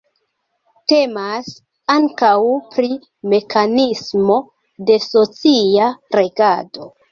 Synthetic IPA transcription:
te̞mas | aŋkawpɾi | me̞kʰanismo̞ | de̞so̞t͡siaɾe̞ɡado̞

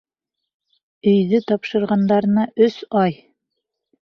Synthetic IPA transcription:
ɵ̆jðɘt̪ɒpʃɤ̆ɾʁɑnd̪ɑɾnɑʔɵsɑj

